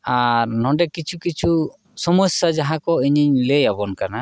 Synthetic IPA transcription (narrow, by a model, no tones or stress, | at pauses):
aɾnɔɖɛkit͡ʃʰukit͡ʃʰu | sɔmɔsad͡ʒaɦãkɔiɲiɲlejabɔnkana